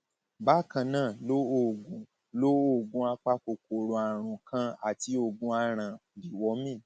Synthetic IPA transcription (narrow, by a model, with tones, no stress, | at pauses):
ba˦˨kã˧nãː˦˨lo˦o˦˨ɡũ˨˦ | lo˦o˦˨ɡũ˧˦a˧k͡pa˦ko˧ko˧ɾo˧a˨ɾ̃ũ˨kʰã˦a˦˨ti˦o˧ɡũ˧˦a˧ɾ̃ã˨bi˨wɔ˨˦mĩ˦˨